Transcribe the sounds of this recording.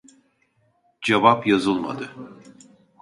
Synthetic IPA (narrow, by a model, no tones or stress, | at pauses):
d͡ʒevapjazɯlˠma̰d̪ɯ